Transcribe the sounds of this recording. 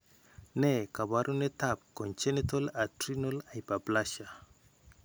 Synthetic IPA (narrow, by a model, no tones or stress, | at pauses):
nɛkabaɾʔunetap̚kɔ̃nt͡ʃɛnetolatɾinolajpaplaʃa